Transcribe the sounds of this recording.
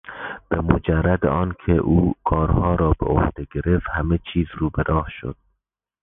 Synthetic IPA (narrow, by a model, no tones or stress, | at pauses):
b̥emod͡ʒærːæd̪eɒːnkʲʰeʔuːkʰɒːɾhɒːɾɒːbeo̰hd̪̥eɡe̞ɾeft̪hæmet͡ʃʰiːzruːbeɾɒːhʃo̰d̪̥̚